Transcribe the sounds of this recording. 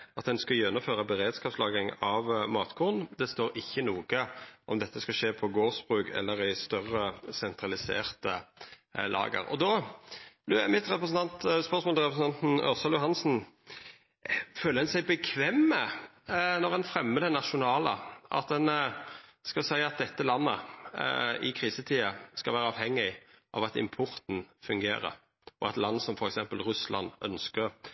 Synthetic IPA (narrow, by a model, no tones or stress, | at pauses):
ʔɑt̪̚d̪ɛnskɑjɛnːʊmføːʁəbəɾeːd̪skɑːpslɑːɡɪŋɑʋmɑːt̪kʰʊʁn̩d̪ɛst̪oːɾɪçːənuːɡəʔɔ̰md̪ɛt̪ʰːəskɑʃeːpʰɔɡoːʁsb̥ʁʉːkʰɛ̰lːəɾɪst̪œʁːəsɛnt̪ʰɾɑlɪsḛːʁt̪ə | lʔɑ̰ːɡə̰ɾɔ̰d̪ɔ | lɛmɪt̪ʁɛpʁəsn̩t̪ʰɑnt̪spœʁsmoɔlɪɾʁɛpɾəsn̩ɑnt̪n̩œ̰ʁsɑljʊɦɑnsn̩ | føːləhɛnsæɪbəkʰʋɛmːə | nɔʁɛnfɾɛmːəd̪ənɑʃʊnɑːlə̰ʔɑ̰t̪̚d̪ɛn | skɑsæɪɑt̪̚d̪ɛt̪ːəlɑnːə | ɪkʰʁiːsət̪ʰiːəskɑlʋæːɾəɑːʋhɛŋːɪʔɑ̰ʋɑt̪ɪ̰mpʰʊɾt̪n̩fʉŋɡḛːɾə̰ | ɔɑt̪lɑnːəsɔmfɔɾɛksɛmpəlʁʉslʔɑ̰nd̪œnskəʁ